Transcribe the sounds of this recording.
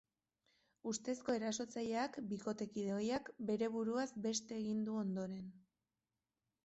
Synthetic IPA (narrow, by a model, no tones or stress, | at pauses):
ust̪e̞sko̞e̞ɾaso̞t͡saʎeakbiko̞t̪e̞kið̞eojakbe̞ɾe̞βuɾuazbe̞st̪e̞ːɣind̪uo̞nd̪o̞ɾe̞n